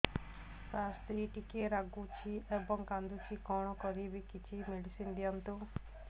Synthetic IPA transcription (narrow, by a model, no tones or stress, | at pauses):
sast̪ɾiʈikeɾaɡut͡ʃʰiʔebɔŋkand̪ut͡ʃʰikɔɽ̃ɔkɔɾibikit͡ʃʰimeɖisind̪ijɔnt̪u